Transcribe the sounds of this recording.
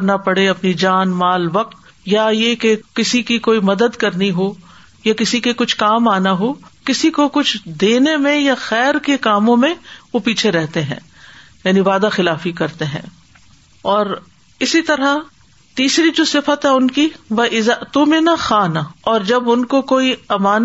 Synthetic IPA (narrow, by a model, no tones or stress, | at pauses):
ɾnapɐɽeɐpnid͡ʒaːnmaːlʋɐq̚t̪ | jajekekɪsikikoːimɐd̪əd̪kɐɾniɦo | jakɪsikekʊt͡ʃʰkaːmaːnaɦoːkɪsikokʊt͡ʃʰd̪eːnemẽjaxɛːɾkekaːmõmẽʋopiːt͡ʃʰeɾɛɦt̪eɦɛ̰̃ː | jaːniʋaːd̪axɪlaːfikɐɾt̪eɦɛ̰̃ː | ɔːɾ | ɪsit̪ɐɾa | t̪iːsɾid͡ʒoːsɪfət̪ɦɛʊnkiʋɐʔɪzaʔt̪omɪnaxaːnaɔːɾd͡ʒɐbʊnkokoːiɐmaːn